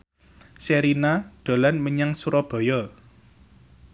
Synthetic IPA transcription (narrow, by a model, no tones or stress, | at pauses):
seɾinad̪̥o̤lanməɲaŋsuɾɔb̥ɔ̤jɔ